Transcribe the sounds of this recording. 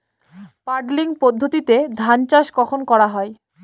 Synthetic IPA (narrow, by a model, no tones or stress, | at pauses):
paɾɖliŋpod̪ʱːot̪it̪ed̪ʱant͡ɕaʃkɔkʰonkɔɾaɦɔe